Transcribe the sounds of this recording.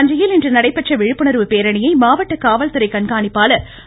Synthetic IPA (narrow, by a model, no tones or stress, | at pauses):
nd͡ʒɐjɪlɪndrɯnɐɽɐɪpːɐʈt͡ʃːɐʋɪɻɯpːɯnɐɾʋɯpeːɾɐɳɪjɐɪmaːʋɐʈːɐkaːʋɐlt̪ɯɾɐɪkɐɳɡaːnɪpːaːlɐ